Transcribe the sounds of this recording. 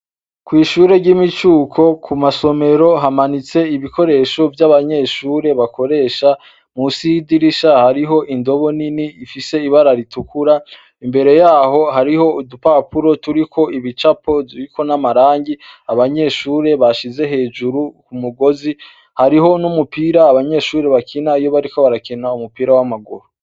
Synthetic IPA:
kwiːʃuːɾe̞ɾɟimit͡ʃuːkʰo̞kʰumaso̞me̞ɾo̞ɦamanit͡se̞iβikʰo̞ɾe̞ːʃo̞vjaβaɲe̞ʃuːɾe̞βako̞ɾe̞ːʃa | musidiɾiʃahaɾiɦo̞ʔindo̞βo̞niniːfise̞iβaɾaɾitukʰuɾa | imbe̞ɾe̞jaːɦo̞ɦaɾiho̞udupapuɾo̞tuɾikʰo̞iβit͡ʃapo̞ziɾiko̞namaɾaːŋɟiaβaɲe̞ʃuːɾe̞βaʃize̞ɦe̞ːd͡ʒuɾukumuɡo̞zi | haɾiɦo̞numupiːɾaːβaɲe̞ːʃuːɾe̞βakʰinaijo̞βaɾiko̞βaɾakinaumupiːɾawamaɡuɾo

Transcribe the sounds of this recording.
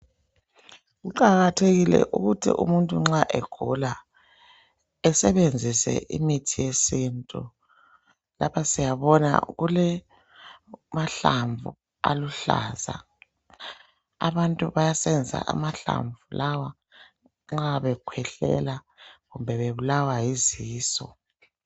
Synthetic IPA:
ɣuǃaɣatʰeɣilɛ̰ʔuɣutʰḭʔṵmuntʼuŋ͡ǁaʔɛɡ̥ʱula | ɛsɛβend͡zʱisɛ̰ʔḭmitʰijesintʼu | lapʰasijaβɔna̰ɣulɛ | maɬaɱvṵ | aluɬa̰ːza | aβantʼuβajasɛnd͡zia̰ʔa̰maɬa̰ɱvulawa | ŋ͡ǁaβɛkʰwɛɬɛ̰la | ɣumbʱɛβeβulawajiziːsɔ̰

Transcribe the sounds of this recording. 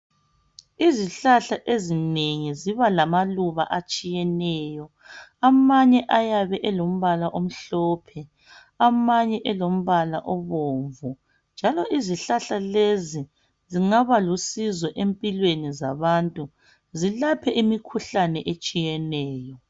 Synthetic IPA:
iziɬaɬaʔezineŋiziβalamaluβa̰ʔat͡ʃʼijɛnɛjɔ | amaɲɛʔajaβɛʔɛlom̩βalaʔom̩ɬɔːpʰɛ | amaɲɛʔɛlom̩βalaʔɔβoːɱvu | nd͡ʒʱalɔʔiziɬaɬalezi | ziŋaβalusizɔʔempʼilwenizaβantʼu | zilapʰɛʔimikʰuɬanɛʔet͡ʃʼijɛnɛːjɔ

